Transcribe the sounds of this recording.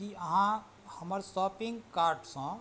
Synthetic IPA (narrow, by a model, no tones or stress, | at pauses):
iəɦã | həməɾsɔːpɪ̃ŋɡkaːɾɖsɔ̃